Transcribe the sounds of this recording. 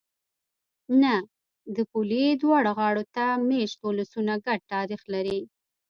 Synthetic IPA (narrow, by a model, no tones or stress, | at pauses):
na | d̪əpulid̪wɑɽaɣɑɽot̪ameʃt̪olɪsunaɡaɖ̚t̪ɑɾixlaɾi